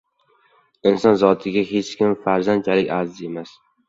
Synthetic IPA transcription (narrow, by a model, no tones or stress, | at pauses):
ɪnsɒnzɒt̪ʰɪɡʲaɦet͡ʃkʲʰɪmfaɾzant͡ʃʰalɪkʲaɾzemas